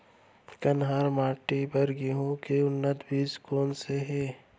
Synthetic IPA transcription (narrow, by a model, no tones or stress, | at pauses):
kɐnɦaːɾmaːʈipəɾɡiɦõkeʊnːət̪biːskoːnseɦeː